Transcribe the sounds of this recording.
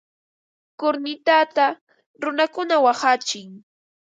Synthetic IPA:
kʊɾnɪt̪at̪a | ɾʊnakʊnawaχat͡ʃɪŋ

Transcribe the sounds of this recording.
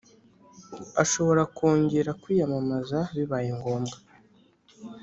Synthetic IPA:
aʃo̞βo̞ɾakoːɲɟeɾakwiːjamamazaβiβajeŋɡo̞ːmɡa

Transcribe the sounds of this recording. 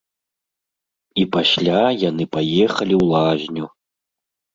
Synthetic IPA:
ipaɕʲlʲajanɨpajɛxɐlʲiwlˠaʒʲnʲu

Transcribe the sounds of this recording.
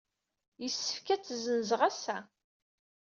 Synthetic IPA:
jəsːə̥fkæt͡sːzənzʁæsæ

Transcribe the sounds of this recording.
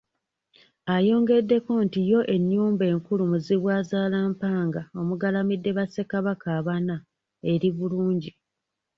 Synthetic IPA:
ajo̞ːŋɡe̞dːe̞ko̞ntijo̞ʔe̞ɲːuːmbe̞ːŋkulumuziβwaːzaːlaːmpaːŋɡao̞muɡalamidːe̞βase̞kaβakaːβana | e̞ɾiβuluːɲɟi

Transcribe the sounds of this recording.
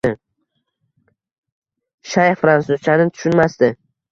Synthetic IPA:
ɪ | ʃajχfɾansʊzt͡ʃʰanɪt̪ʰʊ̥ʃʊnmast̪ɪ

